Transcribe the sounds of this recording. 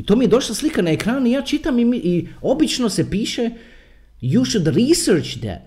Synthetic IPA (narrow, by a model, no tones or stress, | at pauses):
it̪oːmijed̪o̞ʃlˠaslˠikanaekɾaːnuijaːt͡ʃit̪amimiʔio̞bit͡ʃno̞sepiːʃe | juʃud̪ɾisɾt͡ʃd̪ɛ̰